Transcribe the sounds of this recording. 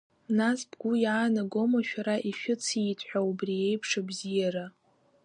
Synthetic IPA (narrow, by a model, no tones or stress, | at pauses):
nasbɡʷʊjaːnaɡo̞maʃᶣaɾaʔiʃᶣʊt͡sʰitʰʼħʷᶣaubrie̞jpʰʂabzijaɾa